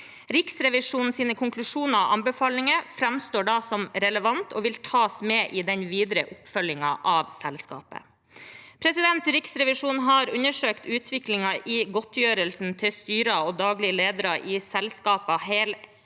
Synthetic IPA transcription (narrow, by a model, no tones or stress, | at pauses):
ɾɪksɾɛʋɪʂuːnn̩siːnəkʰʊŋklʉʂuːnəɑʋɑ̰mbəfɑːlɪŋəfɾɛmst̪oːɖɑsɔmɾɛləʋɑnt̪ʰo̰ːʋɪlt̪ʰɑːsmeːʔɪd̪ɛnʋiːd̪ɾəʔʊpfœlːɪŋɑʔɑʋsɛlskɑ̰ːpə̰ | pʰɾɛsɪd̪ɛnt̪ɾɪksɾɛʋɪʂuːnɦɑɾʉnəʂøːkt̪ʉːt̪ʰʋɪklɪŋɑʔɪɡɔt̪jøːɾəlsn̩t̪ʰɪlst̪yːɾɑoːd̪ɑːɡlɪəleːd̪əɾɑʔɪsɛlskɑːpɑɦeːl